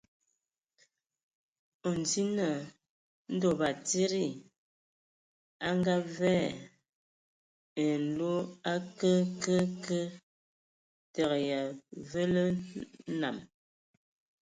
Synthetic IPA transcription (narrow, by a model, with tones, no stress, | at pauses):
o˨n˨ti˦nə˨ | n̩˦do˨ba˨ti˦ɾi˦˨ | a˦ŋ˦ɡa˦vɛ˦˨ | e˨n̩˨lo˦a˦kə˦kə˦kə˦ | tə˨ɣja˨və˦lə˦na̰˨m